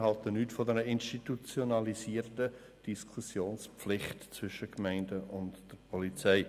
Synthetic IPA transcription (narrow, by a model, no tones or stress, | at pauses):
hɑltənyːtfɔdɛɾəɪnʃtitut͡sjonɑlisiːəɾtə | d̥iskʰusjoːnspflɪχtt͡sv̥ʏʃəkmæɪndəʔʊntd̥ɛɾpʰɔlit͡sɛɪ